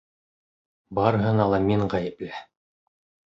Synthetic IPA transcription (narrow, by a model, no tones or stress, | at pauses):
bɑɾɦɤ̆nɑlˠɑmiɴʁæjɘ̆plæ